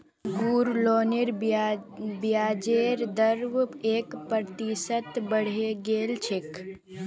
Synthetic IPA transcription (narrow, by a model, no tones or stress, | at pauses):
ɡuːɾloːnɪɾ | bjaːd͡ʒeːɾd̪əɾʋeːkpɾɾt̪isət̪bəɽ̤eɡeːlt͡ʃʰɪk